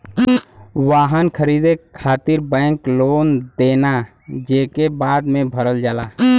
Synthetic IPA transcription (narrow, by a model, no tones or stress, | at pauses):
ʋaːɦənkʰəɾiːd̪ekʰaːt̪ɪɾbɛ̃ːŋkloːnd̪eːna | d͡ʒeːkebaːd̪mẽbʱəɾəld͡ʒaːlaː